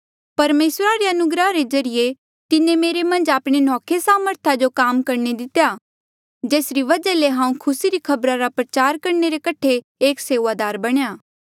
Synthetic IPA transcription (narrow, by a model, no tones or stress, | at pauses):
pɐɾmeːsɾaɾeɐnʊɡɾaɾed͡ʒɐɾɪje | t̪ɪnẽmeːɾemɐ̃nd͡ʒaːpɽ̃enɔːkʰesaːməɾt̪ʰad͡ʒokaːmkɐɾned̪ɪt̪ja | d͡ʒeːsɾiʋɐd͡ʒaleɦãːũkʰʊsiɾikʰɐbɾaɾapɾɐt͡ʃaːɾkɐɾneɾekɐʈʰe | eːkseːʋad̪aːɾbɐɽ̃ejaː